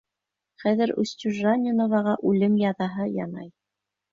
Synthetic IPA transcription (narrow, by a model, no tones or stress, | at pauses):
χæðɘɾṵsʲt̪ʲuʒːanʲɪnŏvɑʁɑʔʉlɘmjɑðɑɦɤjɑ̰nɑ̰j